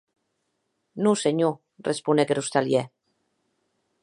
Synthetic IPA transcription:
nuseɲu | respunekeɾust̪alje

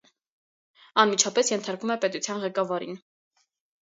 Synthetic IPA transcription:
ɑnmit͡ʃʰɑpɛsjɛnt̪ʰɑɾkumɛpɛt̪ut͡sʰjɑnʁɛkɑvɑɾḭn

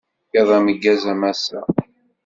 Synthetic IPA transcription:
ɑðˤæməɡːæzæmæsæ̰

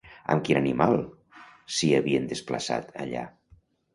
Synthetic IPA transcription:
ə̰mkinanimalˠ | siəβiənd̪əspləsa̰t̪əʎa̰

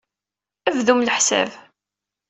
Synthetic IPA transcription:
ævðumləħsæ̰v

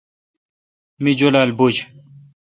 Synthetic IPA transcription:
mid͡ʑolalbud͡ʑ

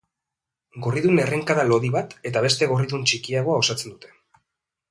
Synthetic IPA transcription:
ɡo̞riðune̞re̞ŋkaðalo̞ðiβat̪e̞t̪aβe̞st̪e̞ɣo̞riðunt͡ʃikiaɣ̞o̞ao̞sat͡se̞nd̪ut̪e̞

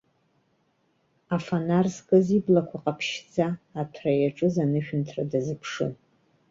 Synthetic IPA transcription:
afanarskʼaziblakʷʰaqʼapʰʃd͡zaːtʰrajaʈ͡ʂʼɨzanɨʃᶣʊntʰradazɨpʰʂɨ̰

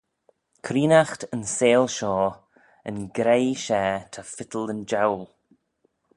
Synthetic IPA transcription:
kʰɾiːnaxtənseːlʃɔː | ənɡɾejʃɛːt̪ʰafɪt̪ələnd͡ʒawl

